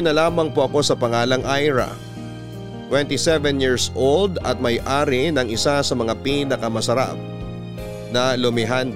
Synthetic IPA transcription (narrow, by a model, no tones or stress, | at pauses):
nɐlaːmɐŋpoʔɐko̞sɐpɐŋaːlɐŋʔajɹɐ̰ | t̪wɛnt̪isɛvɛnjiɹsʔold̪ɐ̰t̪̚mɐjʔaːɾɪnɐŋɪsasɐmɐŋapinɐkɐmɐsɐɾa̰p̚ | nɐlʊmɪɦan